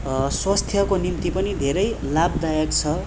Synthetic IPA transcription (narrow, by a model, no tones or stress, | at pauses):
swast̪ʰjʌkonimt̪ipʌnid̪ʱeɾʌjlab̚d̪ajʌkt͡sʰʌ